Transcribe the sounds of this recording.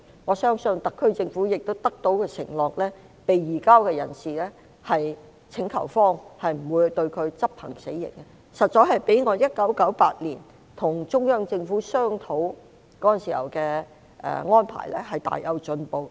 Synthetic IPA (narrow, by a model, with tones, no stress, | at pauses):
ŋɔː˨˧sœː˥ŋsɵ˧nt̪ɐ˨kʰːɵ˥ɥt͡sɪ˧ŋfuː˨˥jɪ˨k̚t̪o˥wt̪ɐ˥k̚t̪o˨˥wkɛː˧sɪ̰˨˩ŋlɔː˨k̚lɛː˥ | pe˨jːiː˨˩kaː˥wkɛː˧jɐ̰˨˩nsiː˨lɛ˥ | hɐ˨j | t͡sʰɪ˨˥ŋkʰɐ̰˨˩wfɔː˥ŋhɐ˨jm̩˨˩wuː˨˧jt̪ɵ˧ɥkʰɵ˨˧ɥt͡sɐ˥p̚hɐ̰˨˩ŋse˨˥jːɪ̰˨˩ŋkɛ˧ | sɐ˨t̚t͡sɔː˧˥ɦɐ˨jpe˨˥jŋɔː˨˧jɐ˥t̚kɐ˨˥wkɐ˨˥wpaː˧t̚liː˨˩n | t̪ʰʊ˨˩ŋt͡sʊ˥ŋjœː˥ŋt͡sɪ˧ŋfuː˨˥sœː˥ŋt̪ʰo˨˥w | kɔː˨˦˥jɐ˨nsḭː˨hɐ̰˨˩wkɛː˧ | ʔɛ̰ː˨ŋɔː˥npʰa̰ː˨˩jlɛː˥ɦɐ˨jt̪a̰ː˨jɐ˨˧wt͡ʃɵ˧npo˨w